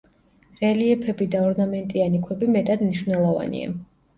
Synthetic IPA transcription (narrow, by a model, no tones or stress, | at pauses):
ɾɛliɛpʰɛbid̪aɔɾnamɛnt̪ʼianikʰwɛbimɛt̪ʼad̪mniʃwnɛlˠɔva̰nḭa̰